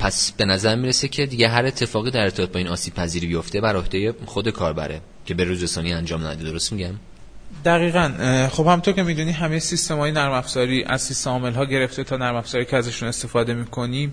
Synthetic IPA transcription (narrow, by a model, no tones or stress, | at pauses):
pʰæsb̥e̞næzæɾmiːɾesecʰe̞d̪iɟeɦæɾe̞t̪ʰːe̞fɒːɣiːd̪æɾet̪ʰːebɒːt̪bɒːiːnɒːsiːb̥̚pʰæziːɾibijoft̪e̞bæɾo̞hd̪ejexod̪e̞kʰɒːɾbæ̰ɾʔḛ | cʰe̞beɾuːzesɒːniænd͡ʒɒːmnæ̰d̪ed̪o̞ɾost̪miɟæm | d̪æɣiːɣænxo̞b̥hæmunt̪ʰo̞ɾcʰe̞miːd̪uniɦæmejesist̪e̞mɒːjenæɾmæfz̥ɒɾiːʔæ̰z̥sist̪eɒːme̞lɦɒːɟe̞ɾe̞ft̪e̞t̪ʰɒːnæɾmæfz̥ɒːɾiːcʰeæzæʃune̞st̪e̞fɒːd̪e̞miːkʰo̞ni